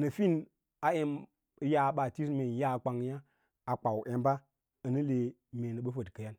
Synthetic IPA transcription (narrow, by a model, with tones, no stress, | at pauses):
nə˨fi˦n | a˨˦e˦m˨ | ja˦ɓa˨ti˦sme˨n˨ja˦˨k͡pa˨ŋ˦ja˦ | a˨k͡pa˨wʔe˨mba˦ | ə˨ni˦le˨ | me˨nə˨ɓə˦fə˨dkə˨ja˦n